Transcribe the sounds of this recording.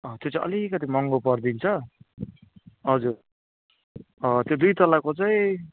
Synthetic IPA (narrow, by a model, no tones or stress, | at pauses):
ʌt̪jot͡saj̃ʔʌ̰likʌt̪̬imʌŋɡopʌrd̪int͡sʰʌ | ɦʌd͡zur | ʌt̪jod̪ujt̪ʌlakot͡sajĩ